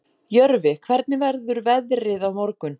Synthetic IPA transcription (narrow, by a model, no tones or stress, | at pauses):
jœɾvɪkʰv̥ɛɾt̪̚nɪvɛɾðʏɾvɛðɾɪðawmɔɾkʏn